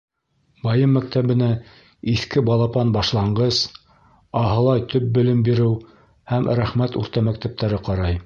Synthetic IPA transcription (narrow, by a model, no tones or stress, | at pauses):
bɑjɤmːæk̚t̪æβɘ̆næ | iθkɘbɑlˠɑpɑnbɑʃlˠɑɴɢɤs | ɑɦɤ̆lˠɑjt̪ʰɵp̚bɵ̆lɘmbiɾɘw | hæmɾæχmæt̪ʉ̰ɾt̪ɑmæk̚t̪æp̚t̪æɾɘqɑɾɑj